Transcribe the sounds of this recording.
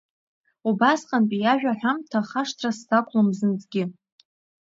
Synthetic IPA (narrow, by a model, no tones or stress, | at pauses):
ubasqʼanpʼijaʒᶣaħʷᶣamtʰaχaʂtʰrastʰakʷʰʼlɨmzɨnt͡sʼɡʲɪ